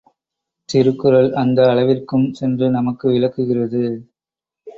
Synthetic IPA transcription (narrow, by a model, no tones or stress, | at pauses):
t̪ɪɾɯkːɯɾɐlɐnd̪ɐːɭɐʋɪrkɯmsɛndrɯnɐmɐkːɯʋɪlɐkːɯɣɪrɐðɯ